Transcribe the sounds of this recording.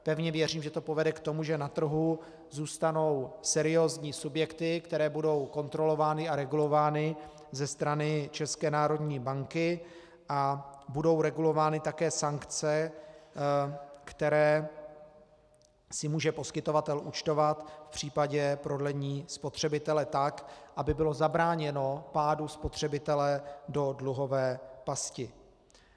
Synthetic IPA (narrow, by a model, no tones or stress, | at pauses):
pɛvɲɛvjɛriːmʒɛt̪o̞po̞vɛdɛkt̪o̞muʒɛnat̪r̩ɦu | zuːst̪ano̞wsɛɾɪjo̞ːzɲiːsubjɛkt̪ɪkt̪ɛɾɛːbudo̞wko̞nt̪ɾo̞lo̞vaːnɪaɾɛɡulo̞vaːnɪ | zɛst̪ɾanɪt͡ʃɛskɛːnaːɾo̞d̪ɲiːbaŋkɪ | ʔabudo̞wɾɛɡulo̞vaːnɪt̪akɛːsaŋkt͡sɛ | kt̪ɛɾɛː | sɪmuːʒɛpo̞skɪt̪o̞vat̪ɛlʔut͡ʃt̪o̞vat̪fpr̝̥iːpaɟɛpɾo̞dlɛɲiːspo̞t̪r̝̥ɛbɪt̪ɛlɛt̪akʔabɪbɪlo̞zabɾaːɲɛno̞paːduspo̞t̪r̝̥ɛbɪt̪ɛlɛdo̞dluɦo̞vɛːpascɪ